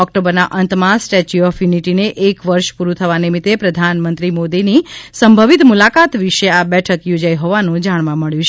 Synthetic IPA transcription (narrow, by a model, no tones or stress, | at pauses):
ɔkʈobəɾnaʔənt̪masʈet͡ʃuɔfjuniʈineʔekʋəɾʃpuɾut̪ʰəʋanimit̪epɾəd̪ʱanmə̃nt̪ɾimod̪inisəmbʱəʋit̪mulakat̪ʋiʃeabɛʈʰəkjod͡ʒaiɦɔʋanũd͡ʒaɳ̃ʋãməɭjũt͡ʃʰ